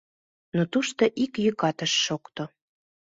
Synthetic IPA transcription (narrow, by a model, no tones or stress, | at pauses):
not̪uʃt̪oʔikjykɑt̪əʃːokt̪o